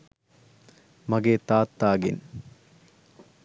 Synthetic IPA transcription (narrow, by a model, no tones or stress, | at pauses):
mɐɡeːt̪aːt̪ːaːɡḭn